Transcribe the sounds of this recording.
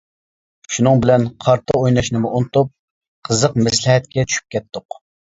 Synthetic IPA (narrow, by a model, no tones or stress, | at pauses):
ʃunɨŋbɪlɛnqʰɑɾt̪ʰɑojnɑʃnɨmʊʔunɨt̪up̚ | qʰəzəqmɛslɪɦɛt̪̚kʲɛt͡ʃʰy̥ʃʰy̥p̚kʲɛt̪ːʊq